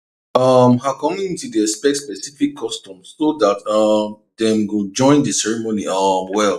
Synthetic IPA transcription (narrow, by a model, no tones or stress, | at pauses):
ʌmɦakɔmĩŋtudiɛspɛktspɛsifikʰːɔstɔ̃msːoðatʌm | ðɛ̃mwɪld͡ʒɔ̃ɪ̃ndəsɛɹimoniʌmwɛlˠ